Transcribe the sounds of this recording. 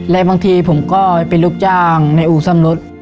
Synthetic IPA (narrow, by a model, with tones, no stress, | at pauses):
lɛ˦ʔbaː˧ŋt̪ʰiː˧pʰo˨˦mkɔː˧˩jpe˨nluː˦˥˩k̚t͡ɕaː˧˩ŋna˧˩jʔuː˨˩sa˧˩˨mlo˦˥t̪̚